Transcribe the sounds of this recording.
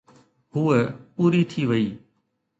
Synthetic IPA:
huəpuːɾit̪ʰiːʋəiː

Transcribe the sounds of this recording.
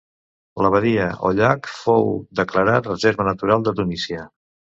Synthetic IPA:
ləβ̞əðiəʔo̰ʎakfowd̪əkləɾat̪rəzeɾβənət̪uɾalˠd̪ət̪unisiə

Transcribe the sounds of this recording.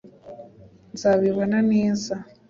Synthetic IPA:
nzaːβiβonaneːza

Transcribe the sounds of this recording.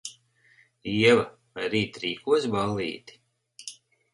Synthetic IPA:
iɛva | vajɾiːt̪ɾiːkuɔsbalːḭːt̪i̥

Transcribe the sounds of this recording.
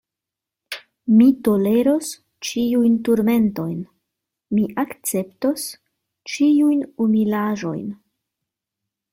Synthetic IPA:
mito̞le̞ɾo̞s | t͡ʃiujntuɾme̞nto̞jn | miʔakt͡se̞pto̞s | t͡ʃiujnumilaʒo̞̰jn

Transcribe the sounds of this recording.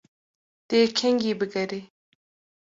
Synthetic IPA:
d̪̥ekʰeŋɡibəɡɐɾe

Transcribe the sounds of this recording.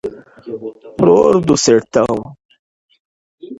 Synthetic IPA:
pɾoɾd̪useɾt̪ãw̃

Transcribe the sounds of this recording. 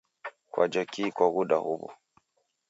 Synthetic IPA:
kwʔa̰d͡ʒakikwaɣuɗahuβɔ̰

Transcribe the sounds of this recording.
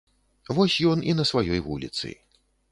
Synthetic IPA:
vɔsʲjɔninɐsvajɔjvulʲḭt̪sɨ̰

